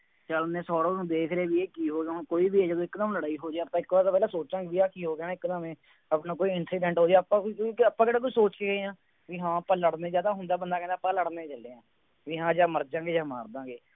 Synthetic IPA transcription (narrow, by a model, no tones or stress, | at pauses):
t͡ʃəlnẽːsɔːɽõːũːd̪eːkʰɾeeːʋiːeːkiːɦoːɡeɦõkoːiːbiːeːd͡ʒəd̪õːɪknãːləɽaːiːɦoːd͡ʒeaːp̪ːãːɪkʋaːɾaːpɛːlãːsoːt͡ʃãːɡeːʋiːaːkiːɦoːɡejaːɪknãːmẽː | əpnaːkoːiːɪnsiːɖɛ̃ɳʈɦoːd͡ʒɛːəpãːəpːãːkeɽaːk̬oiːsoːt͡ʃkeːɡeːãː | ʋiːɦãːəpːãːləɽnẽːd͡ʒjaːd̪aːɦʊ̃nd̪aːbənd̪aːkɛ̃ːnd̪aːpãːləɽneːt͡ʃəleːãː | ʋiːɦãːd͡ʒaːməɾd͡ʒãːɡeːd͡ʒaːma̰ːɾd̪ãːɡeː